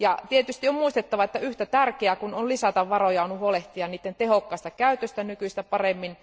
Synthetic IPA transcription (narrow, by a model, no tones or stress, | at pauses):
jɑt̪iet̪yst̪iommuist̪et̪ːɑʋɑet̪ːæyht̪æt̪ærkeækunonlisɑt̪ɑʋʋɑrojɑonhuoleht̪iɑnniːt̪ːent̪ehokːɑst̪ɑkæyt̪øst̪ænykyist̪æpɑremːin